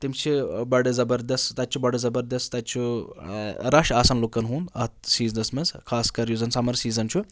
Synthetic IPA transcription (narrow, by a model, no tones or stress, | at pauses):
t̪imt͡ʃʰibɐɽezɐbɐɾd̪ɐst̪ɐt̪̚ʲt͡ʃʰubɐɽezɐbɐɾd̪ɐst̪ɐt̪t͡ʃʰu | ɾɐʃaːsɐnlukːɐnɦuːnɐɐt̪̚siːznɐsmɐskʰaːskɐɾjuzɐnsɐmɐɾsiːzɐnt͡ʃʰu